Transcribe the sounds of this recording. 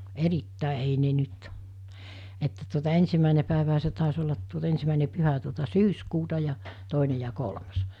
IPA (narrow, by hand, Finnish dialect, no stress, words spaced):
eritːæˑe ei ne nyt etːæ tuotɑ ensimːæˑene pæˑeʋæɦæ se tɑˑes olːɑt tuot ensimæˑine pyhæ tuotɑ syːskuːtɑ jɑ toˑine jɑ kolmɑs